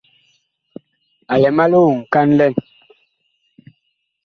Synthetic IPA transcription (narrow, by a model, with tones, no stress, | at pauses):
a˨lɛ˨ma˦lo˦˨ŋ̩˨ka˦nlɛ˦˨n